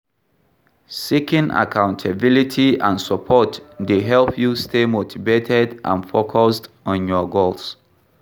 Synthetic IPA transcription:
sikĩnʔa̰kʰãʊ̃ntʰabilitʰiãnsəpʰɔtdeɦɛlpʰjustemotʰivetʰɛdʔã̰nfokʰɔst | ɔ̃njɔɡols

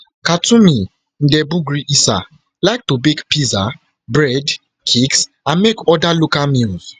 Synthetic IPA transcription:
katũmĩ | n̩dɛbuɡɹiʔisa̰ | laɪk̚tobekpiza | bɹɛd | kʰiks | ãnmekɔdalokamilz̥

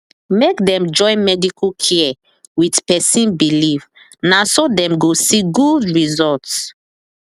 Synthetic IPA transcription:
mekdɛ̃md͡ʒɔ̃ɪ̃nmɛdikʰukʰɛɛ | witpɛsĩnbiliv | nasodɛ̃mɡosiɡudɹizɔlts

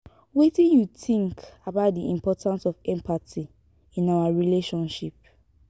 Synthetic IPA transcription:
wetĩnjutĩŋkabaʊt̚diḭ̃mpɔtʰãnsɔfɛ̃mpʰatʰi | ĩnawaɹileʃɔ̃nʃip̚

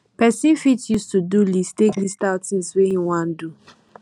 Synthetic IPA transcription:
pɛsĩnfitjustudulistekdistaʊtĩnswehĩwãn̩du

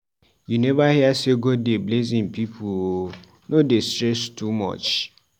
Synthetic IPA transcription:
junevahiaseɡodeblezĩnpipʰuo | nodestɾɛstumɔ̰t͡ʃ

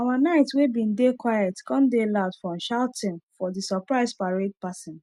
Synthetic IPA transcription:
awanaɪtwebĩndekwajɛtkɔ̃ndelaʊdfɹɔ̃mʃaʊtʰɪ̃nfɔdisɔpɹaɪspaɹed̚pasɪ̃n

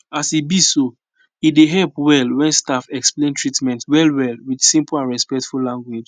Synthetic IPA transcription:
asibiso | ideɦɛlpwɛlwɛ̃nstafɛksplẽntʰɹitmɛ̃ntwɛlwɛlwidsĩmplãnɹɛspɛk̚tfullãŋɡwed͡ʒ

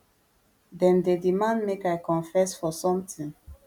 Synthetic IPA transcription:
dɛ̃ndedimãnmekaɪkɔ̃nfɛsfɔsɔ̃mtĩn

